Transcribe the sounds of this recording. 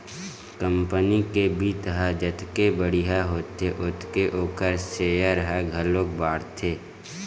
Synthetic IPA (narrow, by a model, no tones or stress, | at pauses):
kə̃mpənikebʱit̪əɦad͡ʒət̪kebəɽiɦaɦoːt̪eʔʊt̪ʰkeʔoːkəɾseːjaɾəɦaɡʱəlõːk̚baːɽt̪ʰeː